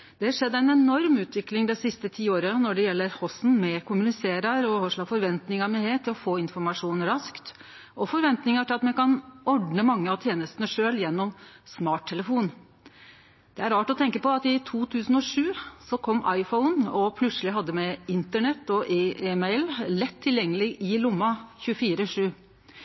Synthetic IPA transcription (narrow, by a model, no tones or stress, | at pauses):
d̪̥ɛhɑʂɛd̪ːæɪnɛnɔɾmʉːt̪ʋɪklɪŋd̪ɛsɪst̪ət̪ʰiːoːɾənɔɖɛjɛlːəɾhɔsn̩mɛkʰʊmʉnɪseːɾəɾɔhɔʂɭɑfɔɾʋɛnt̪nɪŋəɾmɛheːt̪ʰːɪlɔfoːɪnfɔɾmɑʂuːnɾɑskt̪ | ʔɔfɔɾʋɛnt̪nɪŋəʈʰɪlɑt̪mɛkʰɑnɔɖnəmɑŋːəɑt̪ʰjeːnəst̪ənəʂøːljɛnːɔmsmɑːʈʰːɛləfuːn | d̪̥ɛæɾɑːʈɔt̪ʰɛŋkəpɔɑt̪ɪt̪ʰuːt̪ʰʉːsn̩ɔʂʉːsɔkʰɔmːɑ̰ɪfɔʊnɔpʰlʉt̪səlɪɦɑd̪ːəmɛɪnt̪əɳɛt̪ːɔʔeːeːmɛɪllɛt̪ʰːɪljɛŋːəlɪʔɪlʊmːɑçʉəfiːɾəʂʉː